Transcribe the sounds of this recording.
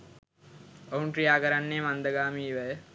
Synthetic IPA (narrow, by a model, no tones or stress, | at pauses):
oɦunʈɾijaːkəɾanːeːmand̪əɡaːmiːʋæjə